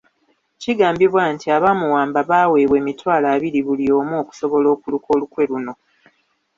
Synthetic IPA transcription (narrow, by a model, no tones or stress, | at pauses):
ciɡaːmbiβwantiaβamuwaːmbaβaːwe̞ːβwe̞ːmitwaːlaːβiɾiβulio̞ːmoːku̥so̞βo̞lo̞ːkuluko̞ːlukwe̞luno̞